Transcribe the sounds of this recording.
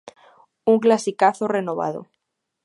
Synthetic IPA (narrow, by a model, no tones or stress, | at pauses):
uŋklasikaθorenoβ̞a̰ðo̰